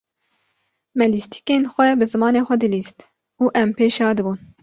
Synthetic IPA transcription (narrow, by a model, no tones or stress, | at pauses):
mɛlist̪ʰi̥keːnxʷɛbɨzɨmɑːneːxʷɛd̪ɨliːst̪ | uːʔɛmpeːʃɑːd̪ɨbuːn